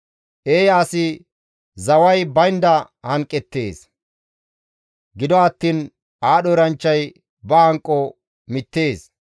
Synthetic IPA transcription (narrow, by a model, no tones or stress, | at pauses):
ʔeːjaːsɪ | zɐwɐjbɐjnd̪ɐ | hɐŋkʼːɛt̪ːe̞ːs | ɡɪd̪ɔɐt̪ːiːn | aːɗɔɾɐnt͡ʃːɐj | bɐhɐŋkʼːɔ | mɪt̪ːe̞ːs